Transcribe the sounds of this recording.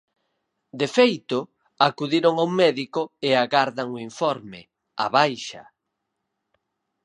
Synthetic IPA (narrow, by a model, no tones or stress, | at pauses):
d̪efejt̪ʊ | akuðiɾoŋaumɛðikoeaɣaɾðaŋoiɱfɔɾmɪ | a̰βajʃɐ̰